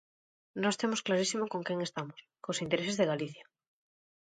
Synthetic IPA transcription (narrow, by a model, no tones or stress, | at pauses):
nost̪emosklaɾisimokoŋkeŋest̪amoskosint̪eɾesezðeɣaliθja